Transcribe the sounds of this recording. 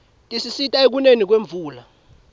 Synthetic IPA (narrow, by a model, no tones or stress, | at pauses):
tʼisisitʼaek̬unenik̬weɱb̪vuːla